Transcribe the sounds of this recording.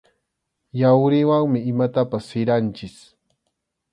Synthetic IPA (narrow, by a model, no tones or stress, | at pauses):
jawɾɪwaŋmɪɪmat̪apasːɪɾant͡ʃɪs